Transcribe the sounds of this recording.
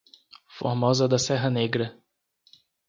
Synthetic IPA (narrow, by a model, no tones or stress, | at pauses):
fo̰ɾmɔzɐd̪ɐsɛɦɐneɡɾɐ